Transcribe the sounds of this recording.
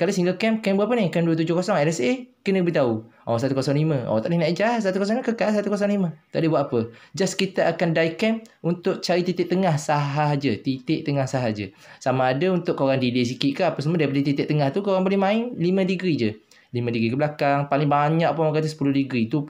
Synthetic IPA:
kalasiŋɡəlkɛmkɛmbuaʔp̬ənɪkɛnduət̪̬ud͡ʒʊhkosɔŋɛlɛsekənəkbəit̪auʔɔsat̪ukosɔŋlimə̃ɔ̰t̪aʔdɪhnaʔid͡ʒas̬at̪ukos̬ɔŋkəkas̬at̪ukos̬ɔŋlimə̃t̪aʔdəbwaʔ̪apəd͡ʒaskit̪əʔakandaikɛmunt̪ʊʔt͡ʃaɾit̪it̪ɪʔ̚t̪əŋahsaɦaɦd͡ʒət̪it̪ɪʔt̪əŋahsaɦad͡ʒəsamaːdaunt̪ʊʔkːəoɾaŋdiles̬ikɪʔkaapas̬əmədaipadət̪it̪ɪʔt̪əŋaht̪ukoɣaŋpalɪmaɪnlimə̃diɡɾid͡ʒə | limə̃diɡɾikəblakaŋpalɪŋbaɲaʔpomakat̪əsəpulʊhdiɡɾit̪u

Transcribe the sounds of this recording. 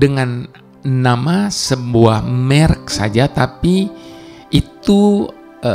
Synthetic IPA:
dəŋanː | amasəbuahmɛrk̚sa̰d͡ʒat̪api | it̪u | ə

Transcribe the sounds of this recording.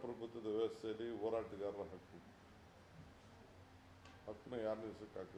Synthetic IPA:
pɾɐbʱut̪wɐd̪ɐʋɛɐsɐlːioːɾaːʈiɡaːɾɐɦɐkːu | hɐkːunɐjaːɾnisɐkːaːk

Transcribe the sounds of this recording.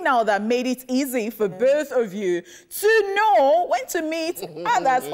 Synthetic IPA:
naʊðət̚meɪɾɪtizifəbɜʊθʌvjʉ | tʰɨnoʊwɛ̃ntʰɨmitaðəs

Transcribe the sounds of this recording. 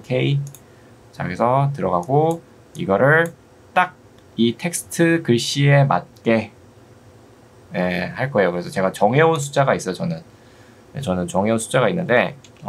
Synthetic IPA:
kʰei | t͡ɕa̰kɯɾesʰʌtɯɾʌɡaɡo | iɡʌɾɯɭ | t͈ak̚ | itʰe̞k̚sʰɯ̥tʰɯkɯɭɕ͈ie̞ma̰t̚k͈e̞ | jehaɭk͈ʌe̞jokɯɾesʰʌt͡ɕe̞ɡat͡ɕʌŋɦeons̬ʰu̥t͡ɕ͈aɡais͈ʌjot͡ɕʌnɯn | jḛt͡ɕʌnɯnt͡ɕʌŋɦeonsʰu̥d͡ʑ͈aɣainːɯnde̞

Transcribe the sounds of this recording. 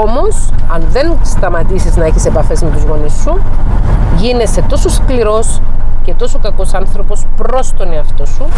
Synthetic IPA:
omo̞sɐnðe̞nst̪ɐmɐt̪isiznɐeçise̞pɐfe̞zme̞t̪uzɣo̞nisːu | ʝine̞se̞t̪o̞so̞skliɾo̞sce̞t̪o̞sokɐko̞sɐnθɾo̞po̞spɾo̞st̪o̞niɐft̪osu

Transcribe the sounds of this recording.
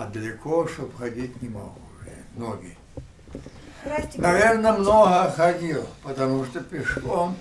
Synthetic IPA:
ɐd̪əlʲɪkʰoʂt̪opxɐdʲitʲnʲɪmɐɡuʐɛ̰noɡʲɪ | nɐvʲernəmnoɦəxɐdʲilˠpət̪ɐmuʂt̪opʲɪʂkom

